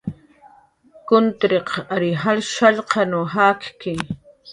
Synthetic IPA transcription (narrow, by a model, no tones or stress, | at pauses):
kʊnt̪ɾeqaɾɪɦalʃaʎqɑnʊɦaːkkɪ